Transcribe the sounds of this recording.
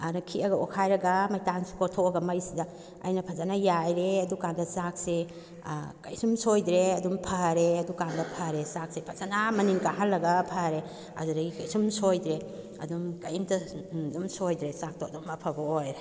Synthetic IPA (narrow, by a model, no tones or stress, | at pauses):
aɾɐkʰiɐɡɐokʰajɾɐɡɐmɐjtansu̥kotʰoɐɡɐmɐjsidɐ̰ː | jnɐpʰɐzanajajɾeɐdukaŋdɐsak̚se | kɐ̰jsumsojdɾeɐdumpʰɐɾeɐdukaŋdɐpʰɐɾesak̚sepʰɐzanamɐniŋkaɦalːɐɡɐpʰaɾe | ɐ̰dudɐɡikɐjsumsojdɾe | ɐ̰dumkɐjimtɐdumsojdɾesak̚tʰoɐdumɐpʰɐbɐojɾe